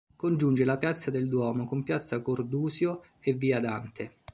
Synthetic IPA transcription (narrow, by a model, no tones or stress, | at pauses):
kond͡ʒund͡ʒelapjat̪sːad̪eld̪wɔːmokompjat̪sːakord̪uːsjo | evːiːad̪a̰nt̪ʰe